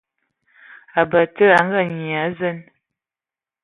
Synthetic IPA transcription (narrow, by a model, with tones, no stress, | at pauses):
a˨bə˨tə˦a˨˦ŋ˦ɡa˦˨ɲi˨a˨˦zə˦˨n